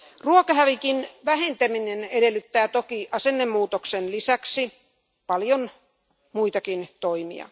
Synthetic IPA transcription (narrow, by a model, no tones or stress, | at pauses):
ruokɑhæʋikinʋæhent̪æminenedelːˑyt̪ːæːt̪okiʔɑsenːemːuːt̪oksenlisæksi | pɑljon | muit̪ɑkint̪oimḭɑ̰